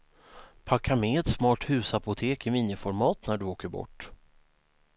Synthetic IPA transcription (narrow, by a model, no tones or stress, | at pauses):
pʰakʰːamɛɛt̪smɑːʈhʉ̟ːsapʊt̪ʰeːkɪmiːnjɪfɔɾmɑːt̪næɖɵoːkəɾbɔ̰ʈː